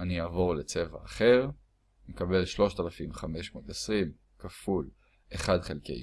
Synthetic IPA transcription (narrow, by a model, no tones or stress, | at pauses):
aniaːvo̞ʁlet͡se̞va̰ːχeʁ | mekabe̞lʃlo̞ʃt̪alafimχame̞ʃmo̞ːt̪esʁim | kaful | eχadχelkḛj